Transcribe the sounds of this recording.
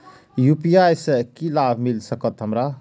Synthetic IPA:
jupijajsəkilabʱmilsʌkʌt̪ɦəmɾa

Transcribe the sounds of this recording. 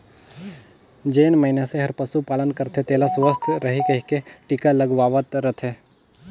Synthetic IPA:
d͡ʒeːnməɦinaseɦɐɾpɐsupaːlənkəɾt̪ʰet̪eːlasʋəst̪ʰɾɐɦikɐɦikeʈiːkaləɡʋaːʋət̪ɾət̪ʰeː

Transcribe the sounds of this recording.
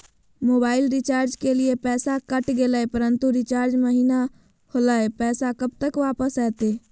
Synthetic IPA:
moːbaːɪlɾit͡ʃaːɾd͡ʒkeliepɛːsakəʈɡeləepəɾənt̪uɾit͡ʃaːɾd͡ʒməɦina | holəepɛːsakəb̚t̪əkʋapəsɛːt̪e

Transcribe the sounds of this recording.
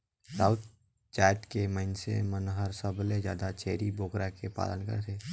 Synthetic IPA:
saːʊt̪̚ | t͡ʃaːjt̪keməɪnsḛmənɦəɾsəblezja̰ːd̪at͡ʃeːɾiboːkɾakepa̰ːlə̰nkə̰ɾt̪eː

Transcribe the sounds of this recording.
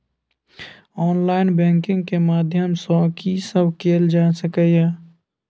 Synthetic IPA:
ɔːnlaːɪnbɛ̃ːŋkɪ̃ŋɡkemaːd̪ʱjəmsɔ̃ːkisəbkeːld͡ʒaːsəkəjɛː

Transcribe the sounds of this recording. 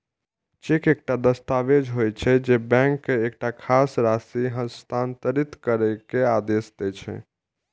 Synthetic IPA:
t͡ʃekek̚ʈad̪əst̪aʋed͡ʒɦojt͡ʃʰɛd͡ʒebɛ̃ŋkːeek̚ʈakʰasɾasiɦə̃st̪ant̪əɾit̪kəɾɛkead̪esd̪ɛt͡ʃʰɛ̰

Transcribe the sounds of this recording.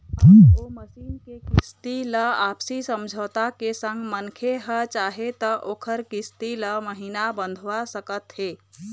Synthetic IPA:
oməsiːnkekɪst̪iləaːpsisə̃md͡ʒʱəːt̪akesə̃ŋɡmənkʰeɦət͡ʃaːɦet̪əʔoːkʰəɾkɪst̪iləməɦiːnabə̃nd̪ʱʋasəkət̪ɦeː

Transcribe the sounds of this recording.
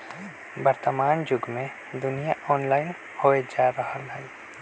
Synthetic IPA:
bəɾt̪əmaːnd͡ʒʊɡmẽ | d̪ʊnijaʔɔːnlaːɪn | hoːed͡ʒaːɾəɦəlɦɛ

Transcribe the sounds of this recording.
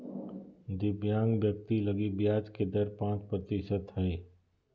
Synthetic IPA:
d̪ɪbjaːnbjək̚t̪ilɐɡibjaːd͡ʒked̪ɐɾpãːt͡ʃpɾət̪ɪʃət̪ɦɛː

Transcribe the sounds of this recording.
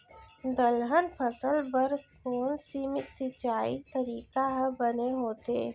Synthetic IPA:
d̪əlɦənpʰəsəlbəɾkoːnsiːmɪk̪sɪt͡ʃaːit̪əɾiːkaɦbəneɦoːt̪eː

